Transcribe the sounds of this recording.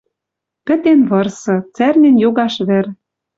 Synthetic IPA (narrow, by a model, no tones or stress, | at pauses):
pɘ̆t̪enβɤ̆rsɤ̆t͡særnʲĕnjoɣɑʃβɘ̆ɾ